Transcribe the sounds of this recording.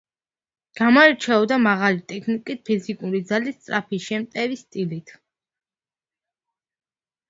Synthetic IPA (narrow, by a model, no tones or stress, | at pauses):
ɡ̥amɔɛɾt͡ʃʰɛɔd̪amaʁalit̪ʼɛkʰnikʼit̪̚pʰizikʼuɾid̪zalist̪sʼɾapʰiʃɛmt̪ʼɛvist̪ʼilit̪ʰ